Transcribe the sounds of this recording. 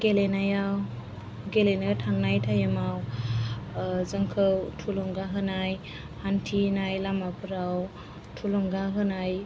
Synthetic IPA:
ɡ̥elenajaw | ɡelenɯtʰaŋnajtʰajɯmaw | zɯŋkʰɯwtʰulɔŋɡaɦɯnaj | hantʰinajlamapʰɯɾaw | tʰulɔŋɡaɦɯnaj

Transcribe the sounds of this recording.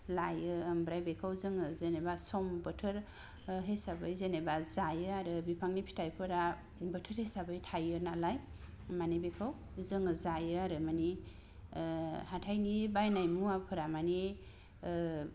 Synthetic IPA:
lajɯːmbɾajbekʰawzɯŋɯzenebasɔmbɯtʰɯɾ | ɦesabɯjzenebazajɯaɾɯbipʰaŋnipʰi̥tʰajpʰɯɾa | bətʰəɾhesabɯjtʰajɯnalaj | manibekʰaw | zɯŋɯzajɯaɾɯmani | hatʰajnibajnajmuapʰɯɾamani

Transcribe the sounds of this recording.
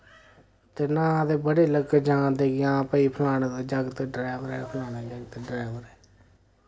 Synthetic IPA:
t̪eːnãːd̪eːbəɽeːləɡd͡ʒãːd̪eːɡɪãːpəiːpʰlaːneːt̪ed͡ʒəɡt̪eɖɾaːʋəɾɛːpʰlaːɽ̃ed͡ʒəɡt̪eɖɾaːʋəɾɛː

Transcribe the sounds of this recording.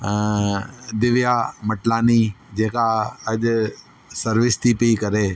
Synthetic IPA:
d̪ɪʋjaməʈlaːniːd͡ʒeːkaɐʄ | səɾʋɪst̪ʰiːpiikəɾeː

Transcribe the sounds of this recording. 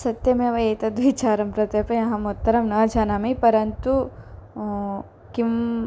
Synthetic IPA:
sɐt̪jɐmeːʋɐeːt̪ɐd̪ʋit͡ʃaːɾɐmpɾɐt̪jɐpɐjɐ̃ɦɐmut̪ːɐɾɐmnɐːd͡ʒʱaːnaːmɐjpɐɾɐnt̪u | kim

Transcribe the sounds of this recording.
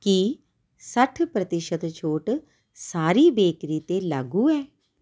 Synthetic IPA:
ki | səʈʰpɾət̪ɪʃət̪t͡ʃʰoːʈ | saːɾiːbeːkɾiːt̪eːlaɡuːɛː

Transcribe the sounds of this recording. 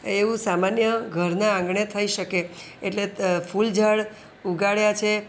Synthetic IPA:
eʋũsamanjəɡʱəɾnaãŋɡɳet̪ʰəiʃəke | eʈlefuld͡ʒəɭ | uɡaɭjat͡ʃʰe

